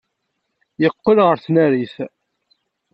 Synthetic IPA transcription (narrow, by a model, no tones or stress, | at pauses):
jəqːəlʁəɾθnæɾiθ